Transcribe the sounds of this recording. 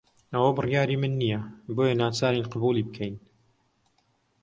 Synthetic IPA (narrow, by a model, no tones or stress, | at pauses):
ɐwɐbɨrjaːɾiːmɨnːijɐboːjanaːt͡saːɾinqɨbuːliːbəkʰɛjn